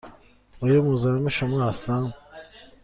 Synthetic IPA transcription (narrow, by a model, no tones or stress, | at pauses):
ojomuzaɾmaʃamaːsam